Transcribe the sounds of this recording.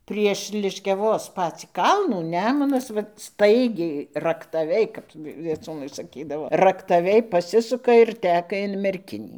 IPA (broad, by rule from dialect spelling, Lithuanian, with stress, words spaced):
pʲrʲiɛʃ lʲɪʃʲkʲɛˈʋoːs ˈpɑːt͡sʲiː ˈkɐlˠnuː ˈnʲæːmʊnɐs ˈʋɐt ˈstɐɪɡʲɛɪ rɐktɐˈʋʲɛɪ ˈkɐp ʋʲiɛˈt͡suːnɐɪ sɐˈkʲiːdɐʋoː rɐktɐˈʋʲɛɪ ˈpɑːsʲɪsʊkɐ ɪr ˈtʲæːkɐ ɪn mʲɛrʲˈkʲɪnʲiː